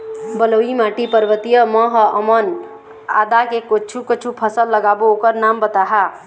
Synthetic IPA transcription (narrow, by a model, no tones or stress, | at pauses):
bəloimaʈipəɾʋət̪ijəmə̃ɦəʔəmən | a̰ːd̪akekot͡ʃʰukət͡ʃʰupʰəsəlːəɡabookəɾnambət̪aɦa